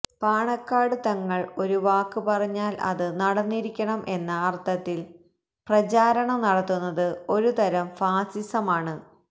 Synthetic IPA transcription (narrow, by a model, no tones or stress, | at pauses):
paːɳɐkːaːɽɨt̪ɐŋːɐɭo̞ɾuʋaːkːɨpɐrɐɲːaːlɐ̰ðɨnɐɽɐnːiɾikʲːɐɳɐmʔe̞nːɐːrt̪ʰɐt̪ːil | prɐt͡ɕaːɾɐɳɐmnɐɽɐt̪ːunːɐðɨo̞ɾut̪ɐɾɐmfaːsisɐmaːɳɨ